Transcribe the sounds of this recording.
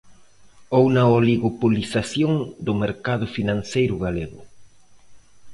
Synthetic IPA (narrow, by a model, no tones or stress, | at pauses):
ownɐoliɣopulisasjoŋd̪ʊmeɾkaðʊfinãnsejɾʊɣaleɣʊ